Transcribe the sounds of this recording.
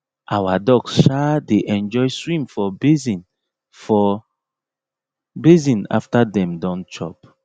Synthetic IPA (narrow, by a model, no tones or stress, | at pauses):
ʔawadɔɡsʃadeʔɛ̃nd͡ʒɔjswĩmfɔbezĩn | fɔ | bezĩna̰ftadɛ̃mdɔ̃nt͡ʃɔ̰p